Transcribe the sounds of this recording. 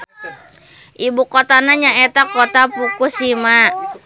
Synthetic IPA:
ʔibukot̪anaɲaɛt̪akot̪apukusima

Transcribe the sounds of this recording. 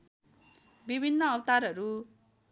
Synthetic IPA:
bibʱinːʌːwt̪aɾɦʌɾu

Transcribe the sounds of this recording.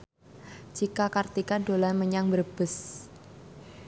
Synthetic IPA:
d͡ʒ̥ikakart̪ikanɖolanməɲaŋbərb̥ə̤s

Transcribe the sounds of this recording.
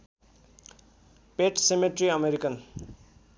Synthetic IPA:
peʈsemeʈriʌmeɾikʌn

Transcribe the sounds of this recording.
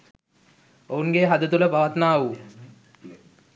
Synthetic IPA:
ounɡeɦad̪ət̪uləpaʋat̪naːu

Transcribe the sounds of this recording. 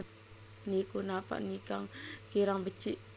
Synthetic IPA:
nikunapa̰ʔnikaŋkiɾaŋbət͡ʃiʔ

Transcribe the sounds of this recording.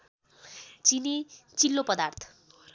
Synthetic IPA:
t͡sinit͡silːopʌd̪art̪ʰʌ̥

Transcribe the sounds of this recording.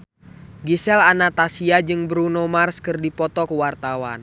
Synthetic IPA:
ɡisɛlanat̪asiad͡ʒɨŋbɾunomarskɨrdipɔt̪ɔkuwart̪awa̰n

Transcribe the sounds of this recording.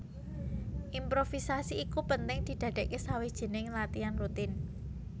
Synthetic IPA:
ʔimpɾofisasiːkupənt̪ɪŋd̪̥i̤d̪̥ä̤ɖ̥̪ɛ̤ʔkesawed̥ʒ̥ə̤nɪŋlat̪ianrut̪ɪn

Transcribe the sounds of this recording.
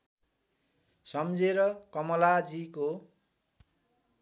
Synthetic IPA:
sʌmd͡zeɾʌkʌmʌlad͡ziko

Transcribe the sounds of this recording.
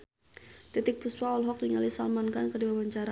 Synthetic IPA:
t̪it̪ɪk̚puswaɔlɦɔk̚d̪iŋalisalmankankədiwabaɲt͡ʃaɾa

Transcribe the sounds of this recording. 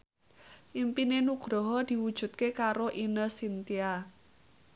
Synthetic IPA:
ʔimpinenuɡ̥ɾɔɦɔd̪̥i̤wud̥ʒ̥ṳt̪̚kekaɾoʔinəsint̪ia

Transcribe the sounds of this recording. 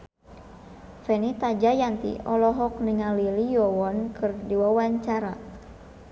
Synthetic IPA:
fɛnit̪ad͡ʒajant̪ḭʔɔlɔɦɔk̚niŋalilijɔwɔnkɨrdiwawaɲt͡ʃaɾa

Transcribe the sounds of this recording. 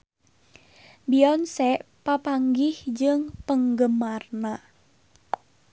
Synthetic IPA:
biɔnsɛʔpapaŋɡɪhd͡ʒɨŋpəŋɡəmarna

